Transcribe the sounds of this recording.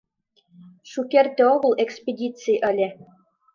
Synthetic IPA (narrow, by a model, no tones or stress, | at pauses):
ʃukert̪eoɣɤ̆lˠekspʲedʲit͡sɨjʔə̆lʲe